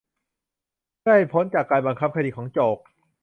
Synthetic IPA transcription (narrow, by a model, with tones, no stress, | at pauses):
ka˥˩he˨˩pʰo˦˥nt͡ɕaː˨˩kːaː˧nba˧ŋkʰa˦˥p̚kʰa˧diː˧kʰɔː˩˦ŋt͡ɕoː˨˩k̚